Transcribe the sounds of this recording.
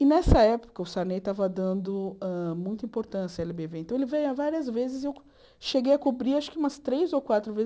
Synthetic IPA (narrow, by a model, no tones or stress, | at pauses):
ɪnɛsɐɛpo̥kɐʊsaɾnet̪avɐd̪ɐ̃nd̪ʊɛmũj̃t̪ɐĩpoɾt̪ɐ̃sijɐɛlɪbeveẽt̪ɐ̃w̃elɪvẽjavaɾiɐzvezɪzew | ʃeɡejɐkubɾiaʃʊ̥kɪũmɐst̪ɾejzowkwat̪ɾʊvez